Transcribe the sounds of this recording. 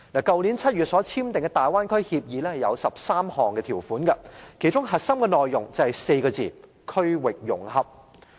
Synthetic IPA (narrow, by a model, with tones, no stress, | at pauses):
naː˨˩kɐ˨wli˨˥nt͡sʰɐ˥t̚ɥyː˨t̚sɔː˨˥t͡sʰiː˥mt̪ɪ˨ŋkɛ˧t̪aː˨˩jwaː˥nkʰɵ˥ɥhiː˧p̚jiː˨lɛː˥hɐ˨˩jɐ˨˧wsɐ˨p̚saː˥mhɔː˨˩ŋkɛ˧iː˨˩wfuː˨˥nkɐ˧kʰe˨˩jt͡ʃʊ˥ŋɦɐ˨t̚sɐ˥mkɛ˧nɔː˨jːʊ˨˩ŋt͡sɐ˨whjse˧jkɔː˧t͡siː˨˩ | kʰɵ˥ɥwɪ˨k̚jʊ˨˩ŋhɐ˨p̚